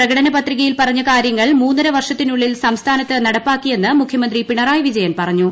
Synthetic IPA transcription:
prɐɣɐɽɐnɐpɐt̪riɣɐjilpɐrɐɲːɐkaːɾjɐŋːɐɭmuːnːɐɾɐʋɐrʂɐt̪ːinuɭːilsɐmst̪ʰaːnɐt̪ːɨnɐɽɐpːaːkːije̞nːɨmukʰjɐmɐnd̪ripiɳɐraːjʋid͡ʑɐjɐnpɐrɐɲːu

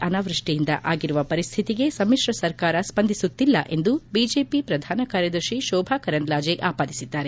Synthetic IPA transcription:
ʔɐnaːʋɾɐʂʈijind̪ɐ̰ʔaːɡiɾuʋɐpɐɾist̪ʰit̪iɡe̞sɐmiʂɾɐsɐɾkaːɾɐspɐnd̪ʱisut̪ːilːɐ̰ʔe̞nd̪ubid͡ʒe̞ːpipɾɐd̪ʱaːnɐkaːɾjɐd̪ɐɾʃiʃɔːbʱakɐɾɐnlaːd͡ʒeʔaːpaːd̪isid̪ːaːɾe

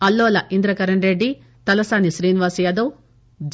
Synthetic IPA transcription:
ɐlːoːlɐʔind̪ɾɐkɐɾɐɳɾeɖːi | t̪ɐlɐsaːniʃɾiːniʋaːsujaːd̪ɐw | d͡ʒ

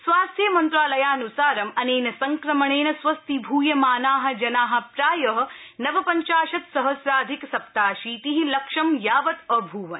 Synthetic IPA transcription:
sʋaːst̪ʰjɐmɐnt̪ɾaːlɐjaːnusaːɾɐmɐneːnɐsɐŋkɾɐmɐɳeːnɐsʋɐst̪ibʱuːjɐmaːnaːɦɐ̆d͡ʒɐnaːɦɐ̆pɾaːjɐɦɐ̆nɐʋɐpɐɲt͡ʃaːʃɐt̪sɐɦɐsɾaːd̪ʱiksɐp̚t̪aːʃiːt̪iɦilɐkʂɐmjaːʋɐt̪ɐbʱuːʋɐn

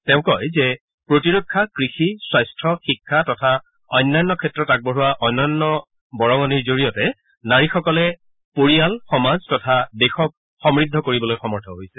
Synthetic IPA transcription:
tɛʊ̃kɔjzɛ | pɹotiɹokʰːakɹixiswajstʰɔxikʰːatɔtʰa | ɔjnːajnːɔkʰɛtɹɔtak̚boɦuwaʔɔjnɔjnːɔ | bɔɹɔŋɔniɹzoɹijɔtɛ | naɹixɔkɔlɛ | poɹijalxɔmaztɔtʰadexɔk | xɔmɹidʱːɔkoɹibɔlojxɔmɔɹtʰɔɦojsɛ̥

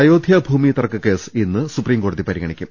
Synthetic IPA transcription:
ɐjoːd̪ʱjɐbʱuːmit̪ɐrɐkːɨke̞ːsinːɨsupriːmko̞ːɽuðipɐɾiɡɐɳikʲːum

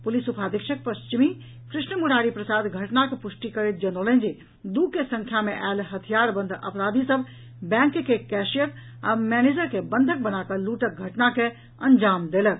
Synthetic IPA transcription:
pʊlisʊpaːd̪ɪkʃək̚pɐst͡ʃɪmi | kɾɪʃnəmʊɽaːɾipɾɐsaːd̪ɡʱɐʈnakepʊʃʈikɐɾet̪̚d͡ʒɐnoːlə̃ːnd͡ʒi | d̪uːɡ̚kesɐ̃ŋkʰjamẽʔɛːlɦɐt̪ʰijaːɾbɐ̃nd̪ʱɐ̰pɾaːd̪ʱisəb | bɛ̃ːŋkkekɛːʃijəɾ | ɐmɛːneːd͡ʒəɾkebə̃nd̪ʱək̚bɐnaːkəluːʈək̚ɡʱɐʈnake | ɐ̃ɲd͡ʒaːmd̪eːlək̚

